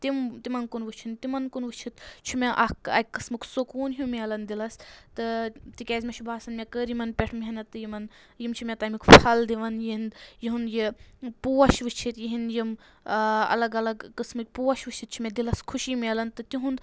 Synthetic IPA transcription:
t̪imt̪imɐnkunʋɨt͡ʃʰint̪imɐnkunʋɨt͡ʃʰit̪t͡ʃʰumeʔɐkɐ̰kkːɐsmɨksokuːnɦimeɐlɐnd̪ilɐst̪ɨt̪ikʲaːzʲmʲet͡ʃʰubʱaːsɐnmʲekəːɾjimɐnpʲeʈʰmiɦɐnɐt̪ɨjimɐn | jimt͡ʃʰimʲet̪ɐmikpʰɐld̪iʋɐnjiɦind̪jiɦunjipuːɐʃʋɨt͡ʃʰit̪jiɦinjim | ɐ̰lɐɡɐlɐɡkɨsmɨk̚ʲpuʋɐʃʋɨt͡ʃʰit̪̚t͡ʃʰumʲed̪ilɐskʰuʃimeɐlɐnt̪ɨt̪iɦund̪

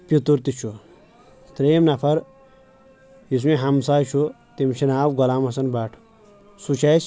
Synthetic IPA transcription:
pit̪uɾt̪it͡ʃʰu | t̪ɾeːmnɐpʰɐɾ | jis̬miɦɐmsaːjt͡ʃʰu | t̪imt͡ʃʰinaːwɡɐlaːmɐsɐnbaːʈʰ | sut͡ʃʰaːs

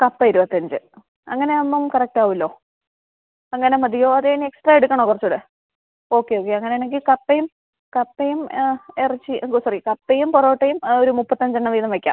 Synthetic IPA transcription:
kɐpːɐiɾubɐt̪ːɐɲd͡ʑɨ | ɐ̰ŋːɐne̞onːumkɐrɐk̚ʈaːʋilːo̞ː | ɐŋːɐne̞mɐd̪ʱijo̞ːɐðenie̞ksʈrɐeɽukʲːɐɳoːkurɐt͡ɕːuɽe | o̞ːkːe̞oːk̬ːeɐŋːɐne̞jneŋɡilkɐpːejum | kɐpːejumerit͡ɕːiksɐrikɐpːejumpuroːʈːɐjumo̞ɾumupːɐt̪ːɐɲd͡ʑɐɳːɐmʋiːðɐmʋekʲːa̰ːm

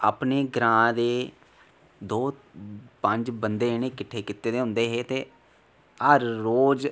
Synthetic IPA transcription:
aːpneːɡɾãːd̪eː | d̪oːpəɲd͡ʒbənd̪eːnẽːkɪʈʰːeːkɪt̪ːeːd̪eːɦʊ̃nd̪eːɦeːt̪eː | ɦəɾːoːd͡ʒ

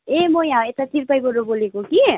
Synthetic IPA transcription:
emojɦãet̪at̪ʰiɾpəjkoɾobolekoki

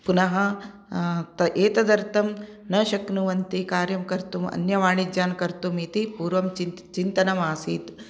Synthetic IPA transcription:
punɐɦɐ̆ | t̪ɐʔeːt̪ɐd̪ɐɾt̪ɐm | nɐʃɐknuʋɐnt̪ikaːɾjɐmkɐɾt̪umɐ̰njɐʋaːɳ̃id͡ʒjaːnkɐɾt̪umit̪ipuːɾʋɐmt͡ʃ | t͡ʃint̪ɐnɐmaːsiːt̪

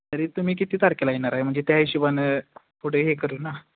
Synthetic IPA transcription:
t̪əɾet̪um̤iːk̬it̪iːt̪aɾkelaenaɾaɦem̤əɳd͡zet̪jaiɕubane | pʰoɽeɦekəɾuːna

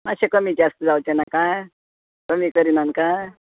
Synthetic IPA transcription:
maɕẽkəmid͡ʑast̪əd͡zawt͡ɕenakaj | kəmiːkəɾinankaj

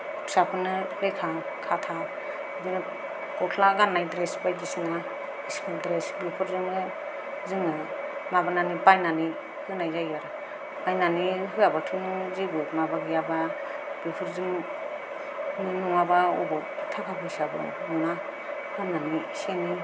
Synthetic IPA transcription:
sapʰɯnɯlekʰa | kʰatʰa | zinɯ | kɔkʰlaɡanːajdɾesbajɡisna | iskɯldɾesbipʰɯɾzɯmɯ | zɯŋɯ | mabananibajnani | hɯnajzajaɾɯ | ajnaniɦɯabatʰɯmzibɯmabaɡijaba | b̥ipʰɯɾzɯm | nɯnuŋabaɔ̰bɔtʰakʰabɯsabɯ̰ | mɯna | hanːani | seni

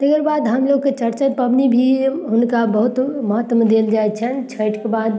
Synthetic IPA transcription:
t̪ekəɾbad̪ɦəmloɡket͡ʃəɾt͡ʃapəbnibʱiɦunkabəɦut̪məɦət̪ːmd̪eld͡ʒajt̪t͡ʃʰənt͡ʃʰəʈkebad̪̚

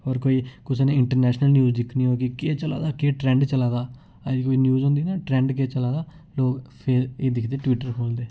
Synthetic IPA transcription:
ɔːɾkoːiːkʊseːnẽːɪɳʈəɾnɛːʃnəlnjuːzd̪ɪkʰniːɦoːkɪkeːt͡ʃəla̰ːd̪aːkeːʈɾɛ̃ːɳɖt͡ʃəlaːd̪aː | ad͡ʒiːkoːiːnjuːzɦõːnd̪iːnaːʈɾɛ̃ːɳɖkeːt͡ʃəlaːd̪aː | loːkpʰeːeːd̪ɪkʰd̪eːʈʋiːʈəɾkʰoːld̪eː

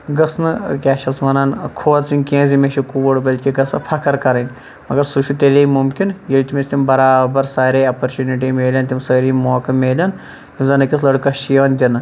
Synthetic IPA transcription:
ɡɐsnɨkʲaːʃɐsmɐnankʰoːt͡sinʲkʲẽːzimeʃukuːɽbɐlʲkʲiɡɐsɐpʰɐkʰɐɾkɐɾɐnʲ | mɐɡɐɾsuʃut̪ʲelʲeimumkʲinjelʲt̪ʲimʲesʲt̪ʲimbɐɾaːbɐɾsaːɾʲeːɐːpɐɾt͡ʃuːniʈ̬iːmeːlʲɐnt̪ʲimsɐːɾiːmoːkɐmeːlʲɐn | t̪imzɐnɐkʲis̬lɐɽkɐʃijoːnd̪ʲɐnɨ

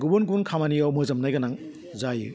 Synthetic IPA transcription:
ɡubunɡunkʰamaniawmɯzɐmnajɡanaŋ | zajɯ

